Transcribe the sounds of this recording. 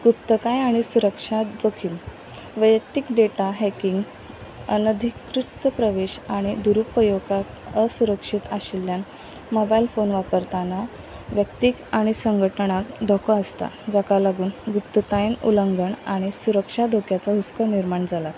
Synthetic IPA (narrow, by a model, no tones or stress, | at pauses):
ɡupt̪əkajaɽ̃isuɾəkʂad͡zokʰiːm | ʋəjəkt̪ikɖeʈaɦɛkiŋɡ | ənəd̪ʱikɾut̪əpɾəʋeɕaɽ̃id̪uɾupəjoɡa | əsuɾəkʂit̪aɕiljan | mobailfonʋapəɾt̪ana | ʋjəkt̪ikaɽ̃isəŋɡʱəʈɳ̃akd̪ʱɔkʰəəst̪a̰d͡zakalaɡuːnɡupt̪ət̪ajnṵləŋɡəɳaɽ̃isuɾəkʂad̪ʱokʰjat͡saɦuskəniɾmaɳd͡zala